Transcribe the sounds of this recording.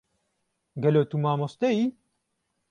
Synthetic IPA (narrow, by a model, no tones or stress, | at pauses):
ɡɛloːt̪umaːmost̪ɛji